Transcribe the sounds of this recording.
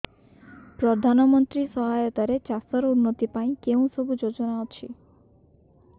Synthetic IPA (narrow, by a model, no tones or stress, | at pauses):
pɾɔd̪ʱanɔmɔnt̪ɾisɔɦajɔt̪aɾet͡ʃast̪ɔɾɔunːɔt̪ipaĩkeũsɔbud͡ʒod͡ʒɔnaɔt͡ʃʰi